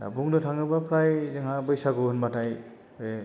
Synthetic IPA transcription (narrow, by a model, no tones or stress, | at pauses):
buŋdɯtʰaŋɯbapɾajzɯŋɦabʌjsaɡonbataj | e